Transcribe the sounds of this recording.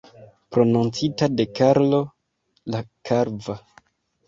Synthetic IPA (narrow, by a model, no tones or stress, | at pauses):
pɾo̞nunt͡sitade̞kaɾlo̞ | lakʰaɾva